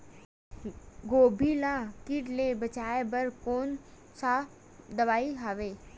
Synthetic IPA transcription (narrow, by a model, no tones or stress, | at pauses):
ɡoːbʱilakiʈlebɐt͡ʃaːebɐɾkoːn | sa | d̪ɐʋaːiɦaʋeː